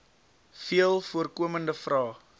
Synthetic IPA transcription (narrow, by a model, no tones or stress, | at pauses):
fiəlˠfuərkuəməndəfrɑː